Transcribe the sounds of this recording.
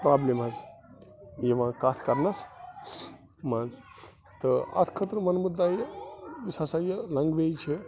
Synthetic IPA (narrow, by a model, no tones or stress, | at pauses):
pɾablemɦɐz | jeʋãːkaːt̪ʰkɐɾnɐs | mãːnz | t̪əɐ̰t̪ʰkʰət̪ɾmɐnmud̪ːajisɐsajəlɐŋɡʋejt͡ʃʰe